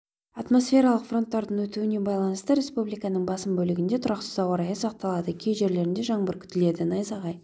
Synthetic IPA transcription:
ɑt̪mo̞sfʲe̞ɾɑlˠəqfro̞nt̪ːɑɾd̪əɴwɵt̪uɪne̞bɑjlˠɑnəst̪əɾʲe̞spublijkɑnəɴbɑsəmbɵlɪɡʲɪnd̪e̞t̪ʰʊɾɑqsə̥zɑwɑɾɑjəsɑq̚t̪ɑlˠɑd̪əkʲʰe̞jʒe̞ɾle̞ɾɪnd̪e̞ʒɑɴbəɾkʲʰʏ̥t̪ɪle̞d̪ɪnɑjzɑʁɑj

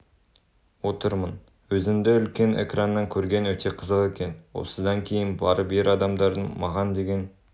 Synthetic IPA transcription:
wo̞t̪əɾmən | wɵzɪmd̪eʏlkʲe̞nʔḛkrɑnːɑŋkʲʰɵɾɡʲe̞nwɵt̪ʰe̞qʰəzəqe̞kʲe̞nwo̞̰səd̪ɑŋkʲʰe̞jɪnbɑɾəbeɾɑd̪ɑmd̪ɑɾd̪əmɑʁɑnd̪e̞ɡʲe̞n

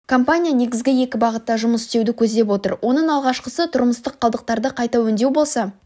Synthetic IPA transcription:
kʰo̞mpanʲijane̞ɡʲɪzɡʲɪje̞kʲɪbɑʁət̪ːɑʒʊməsɪst̪e̞wd̪ɪkʲʰɵzd̪ep̬wot̪ə̰ɾwʔo̞nəɴɑlˠʁɑʃqəsət̪ʰʊɾməst̪əqʰːɑlˠd̪əq̚t̪ɑɾd̪əqʰɑjt̪ɑwɵnd̪e̞wbo̞lˠsɑ

